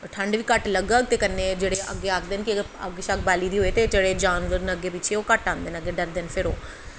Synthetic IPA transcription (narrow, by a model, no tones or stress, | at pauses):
ʈʰəɳɖʋiːkəʈləɡəɡ̚t̪eːkənːeːd͡ʒeːɽeːə̰ɡːeːaːkʰd̪eːnki | ə̰ɡʃək̚ʰbaːliːd̪iːɦoːeːt̪eːd͡ʒeːɽeːd͡ʒaːnʋəɾnəɡːeːpɪːt͡ʃʰeːoːkəʈãːnd̪eːnəɡeːɖəɾd̪enpʰɪɾoː